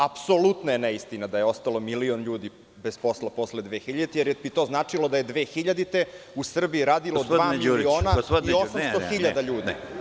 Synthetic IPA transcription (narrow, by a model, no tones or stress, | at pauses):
apsolut̪noje̞nɛist̪inad̪ajeo̞st̪alo̞milionʎuːd̪i | bespo̞slapo̞sled̪ʋeːxiʎad̪it̪ejeɾebit̪o̞ːznaːt͡ʂilod̪aje̞d̪ʋeːxiʎad̪it̪e̞usr̩biiɾaːd̪ilood̪vaːmilioːnaiosammst̪oxiʎad̪aʎuːd̪i